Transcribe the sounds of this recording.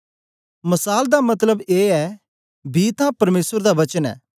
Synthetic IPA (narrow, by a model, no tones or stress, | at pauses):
mɐsaːld̪amɐt̪ləbeːɛː | biːt̪ãpɐɾmeːsəɾd̪aʋɐt͡ʃənɛ̰ː